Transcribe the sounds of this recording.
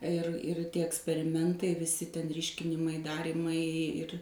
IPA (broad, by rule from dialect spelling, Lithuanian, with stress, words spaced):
ɪr ɪr ˈtʲiɛ ɛksʲpʲɛrʲɪˈmʲɛntɐɪ ʋʲɪˈsʲɪ tʲɛn ˈrʲiːʃʲkʲɪnʲɪmɐɪ ˈdɑːrʲiːmɐɪ ɪr